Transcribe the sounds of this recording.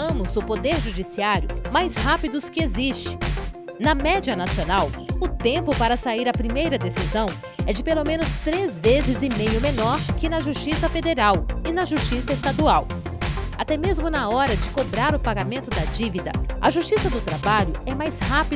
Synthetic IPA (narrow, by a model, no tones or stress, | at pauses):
ɐ̃mʊzʊpod̪eɾʒud͡ʒisiaɾjʊmajshapid̪ʊskɪezist͡ʃɪ̥ | nɐmɛd͡ʒiɐnasionawʊt̪ẽpʊpaɾɐsaiɾɐpɾimejɾɐd̪esizɐ̃w̃ | ɛd͡ʒɪpelomẽnʊst̪ɾezvezɪzɪ̃mejʊmẽnɔɾkɪnɐʒust͡ʃisɐfed̪eɾawɪnɐʒust͡ʃisɐest̪ad̪uaw | at̪ɛmezmʊnɐɔɾɐd͡ʒɪkobɾaɾʊpaɡamẽnt̪ʊd̪ɐd͡ʒivid̪ɐ̰ɐʒust͡ʃisɐd̪ʊt̪ɾabaʎʊɛmajshapi